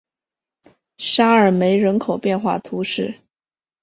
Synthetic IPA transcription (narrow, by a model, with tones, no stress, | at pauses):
ʂa˥ə˞˨˩me˧˥ɪɻə˧˥nkʰo˨˩ʊpjɛ˥˧nxwa̰˥˩t̪ʰu˧˥ʂɻ̩˥˩